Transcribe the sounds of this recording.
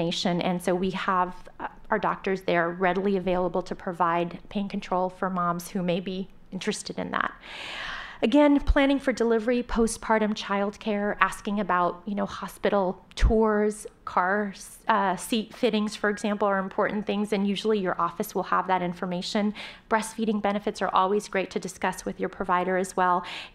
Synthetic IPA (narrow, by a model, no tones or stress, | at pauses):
eɪʃɨ̃nʔɨ̰̃nsoʊwiəvaə˞dɔ̰k̚tə˞zðəɾə˞ɹɛɾl̩ˠiɨveɪlˠəbl̩ˠtʰɨpʰɹ̥ɨvaɪd̚pʰẽɪɪ̃nkʰɨ̃ntʰɹ̥oʊlˠfə˞mɑ̃mz̥hʉmeɪbi | ɪ̃nt͡ʃɹ̥ɨstɨɾɨ̰̃nðæ̰t̚ | ɨɡɛ̃npʰl̥æ̃ñɪ̃ŋfə˞dəlɪvə˞ipʰoʊs̚pʰɑɹɾɨ̃nt͡ʃʰaɪlˠd̚kʰɛɹʔæskɪ̃ŋɨbaʊt̚jɨnoʊhɑspɪɾl̩ˠtʰʊɹz̥kʰɑɹ | sitfɪɾɪ̃ŋz̥fə˞ɨɡzæ̃mpl̩ˠə˞ɨ̃mpʰɔɹʔn̩θɪ̃ŋzɨ̃njʉʒl̩ˠijə˞ʔɔfɨswəlˠə̰vðɨɾɪ̃ɱfə˞meɪʃɨ̃nb̥ɹɛsfiɾɪ̃ŋbɛñɨfɨtsə̰˞ʔɔ̰lˠwizɡɹeɪtʰɨdɨskʌswɨðjə˞pʰɹ̥ɨvaɪɾə˞ɨzwɛlˠ